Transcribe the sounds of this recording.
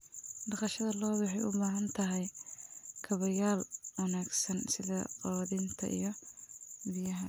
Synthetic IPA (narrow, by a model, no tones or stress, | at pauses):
ɖɑqɑʃɐðɐlɔːβʊħɛjʊ̰baːɦɐnt̪ʰɐɦɛj | kʰɐβɐjaːlwɐnaːɡsɐnsɪðɐ̰qɑwɐðint̪ʰɐ̰ʔḭjɞ | bijɐɦɐ